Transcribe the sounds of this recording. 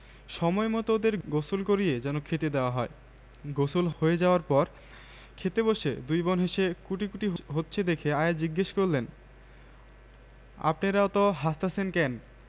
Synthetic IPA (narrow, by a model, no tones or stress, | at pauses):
ʃɔmɔemɔt̪od̪eɾɡosulkoɾied͡ʑɛnokʰet̪ed̪eoaɦɔe | ɡosulhoed͡ʑaoaɾpɔɾ | kʰet̪eboʃed̪ujbonɦeʃekuʈikuʈiɦɦotːɕʰed̪ekʰeaed͡ʑiɡːeʃkoɾlen | a̰pneɾaot̪oɦast̪asʰenkɛn